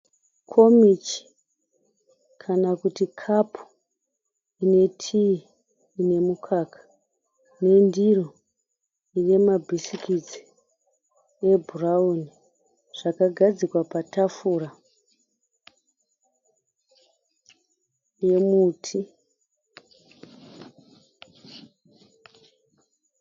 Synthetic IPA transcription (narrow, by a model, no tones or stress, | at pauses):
kʰo̞mit͡ʃi̥ | kʰanakutikʰapʰu̥ | ine̞tʰi | ine̞mukʰaːkḁ | ne̞ndiro | ine̞mabʱisikid͡zi̥ | e̞bʱurauni | ʐ̥akaɡʱad͡zikwapatafuːra | je̞muːtʰi